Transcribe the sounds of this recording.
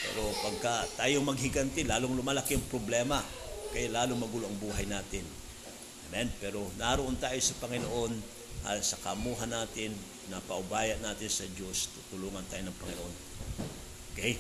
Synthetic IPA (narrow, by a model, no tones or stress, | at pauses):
pɛ̰ːɾo̞pɐɡ̚kɐt̪aːjoŋmɐɡhɪɡɐnt̪ɪlaːloŋlʊmaːlakiɐŋpɾoblɛːmɐkɐjalaːloŋmɐɡʊloʔɐŋbuːɦajnaːt̪ɪn | amɛnpɛːɾo̞naɾoʔont̪aːjo̞sɐpɐŋɪnoʔo̞n | ʔa̰sɐkɐmuːɦɐnːaːt̪ɪn | nɐpɐʔʊbaːjɐnaːt̪ɪnsɐd͡ʒo̞st̪ut̪ʊluːŋɐnt̪aːjonɐŋpɐŋɪnoʔo̞n | ʔ | okɛj